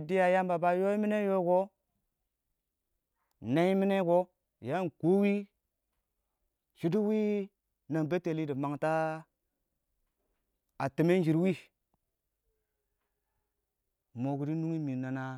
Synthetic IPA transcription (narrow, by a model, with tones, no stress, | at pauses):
di˦ja˨ja˦mba˨ba˦jo˦i˦mi˦ne˦jo˦ɡo˦ | na˦i˦mi˦ne˦ɡo˦ | ja˦n˨ko˦wi˦ | ʃi˦di˦wi˦ | na˨ŋbe˦te˨li˦di˨ma˨ŋta˦ | a˨ti˨me˦n˦d͡ʒi˨ɾwi˦ | mo˨ɡu˨ɾi˦nu˦ŋi˦mi˨na˨na˦